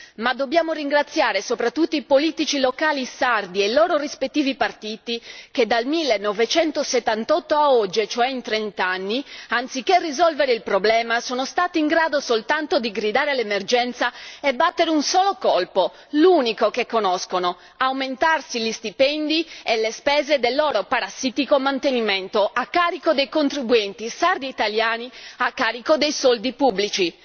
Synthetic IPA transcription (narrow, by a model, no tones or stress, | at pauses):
mad̪ːobjaːmoɾiŋɡɾat̪sːjaːɾesopɾat̪ːut̪ːoipoliːt̪it͡ʃilokaːlisard̪ielːoːɾorispet̪ːiːvipart̪iːt̪ik̟ed̪ːalmilːenːɔvet͡ʃɛnt̪oset̪ːant̪ɔt̪ːoaɔd͡ʒːet͡ʃoɛint̪ɾent̪anːiant̪sik̟ːerizɔlveɾeilpɾoblɛːmasoːnost̪aːt̪iːŋɡɾaːd̪osolt̪ant̪od̪iɡɾid̪aːɾelemerd͡ʒɛnt̪saebːat̪ːeɾeunsɔːlokɔlpo | luːnikok̟ekːonɔskono | awment̪arsilist̪ipɛnd̪ielːespɛːzed̪elːɔːɾopaɾasːit̪ikomant̪enimɛnt̪oʔakːaːɾikod̪ejkont̪ɾibuɛnt̪isard̪iːt̪aljaːniakːaːɾikod̪ejsɔld̪ipubːlit͡ʃi